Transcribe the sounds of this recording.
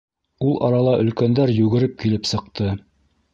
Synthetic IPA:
ulˠʔɑ̰ɾɑlˠɑʔɵ̆lkænd̪æɾjʉɣɘ̆ɾɘp̚kilɘpsɤ̆q̚t̪ɤ

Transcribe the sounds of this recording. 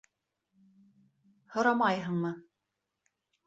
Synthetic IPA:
hŏɾɑmɑjɦɤ̆ɴmɤ

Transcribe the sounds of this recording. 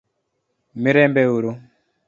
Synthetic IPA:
miɾɛmbɛwuɾu

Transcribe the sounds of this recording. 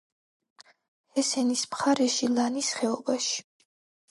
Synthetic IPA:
hɛsɛnismχaɾɛʃilanisχɛɔbaʃi̥

